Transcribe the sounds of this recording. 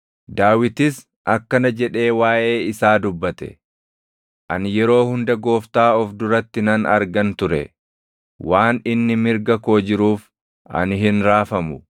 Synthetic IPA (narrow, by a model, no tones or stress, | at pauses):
d̪aːwɪt̪ɪs | ʔɐkːɐnɐd͡ʒɛᶑe̞ːwaːʔe̞ːɪsaːd̪ʊbːɐt̪ɛ̥̰ | ʔɐ̰njɛɾo̞ːhʊnd̪ɐɡo̞ːft̪aːɔfd̪ʊɾɐt̪ːɪnɐnɐ̰ɾɡɐnt̪ʊɾɛ̰ | waːnɪnːɪmɪɾɡɐko̞ːd͡ʒɪɾuːf | ʔɐ̰nɪɦɪnɾaːfɐmʊ